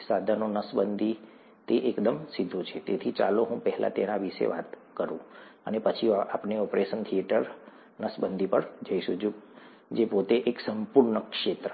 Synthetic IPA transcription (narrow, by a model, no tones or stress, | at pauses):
sad̪ʱanonəsbənd̪ʱi | t̪eʔekd̪əmsid̪ʱũt͡ʃʰet̪et̪ʰit͡ʃaloɦũpɛɦɛlʔa̰t̪enaʋiʃḛʋat̪ | kəɾũənepət͡ʃʰiapneɔpɾeʃənt̪ʰieʈəɾ | nəsbənd̪ʱipəɾd͡ʒəiʃud͡ʒũ | d͡ʒepot̪eʔeksəmpuɾɳəkʃet̪ɾə